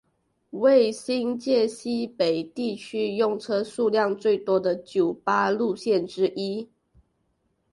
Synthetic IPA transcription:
we˥˨ɪɕi˦˥nt͡ɕjɛ˥˨ɕi˥pe˨˩ɪt̪i˥˨t͡ɕʰy˥jʊ˥˧ŋʈ͡ʂʰɤ˦ʂu˥˧ljɑ˥˨˧ŋt͡swe˥˩ɪt̪wɔ˥d̪ə˨t͡ɕjo˨˩ʊpa˥lu˥˧ɕjɛ˥˨nʈ͡ʂɻ̩˥ʔi˥

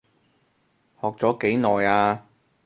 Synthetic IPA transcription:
hɔː˨k̚t͡sɔː˨˥ke˨˥jnɔː˨jaː˧

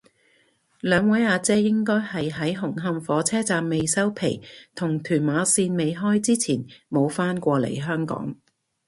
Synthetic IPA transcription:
lœː˨˧ŋwɐ˨˥jaː˨˧t͡sɛː˥jɪ˥ŋkɔː˥jhɐ˨jɦɐ˨˥jɦʊ˨˩ŋɦɐ˧mfɔː˨˥t͡sʰɛː˥t͡saː˧mːe˨jsɐ˥wpʰe˨˩jt̪ʰʊ˨˩ŋt̪ʰyː˨˩nmaː˨˧˥siː˧nme˨jɦɔː˥jt͡siː˥t͡sʰiː˨˩nmo˨˧wfaː˥nkʷɔː˧lḛ˨˩jɦœː˥ŋkɔ̰ː˨˥ŋ

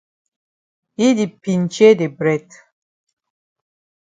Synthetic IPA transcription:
i˦di˨pi˨n˨t͡ʃe˦de˨bɾɛ˦˨t

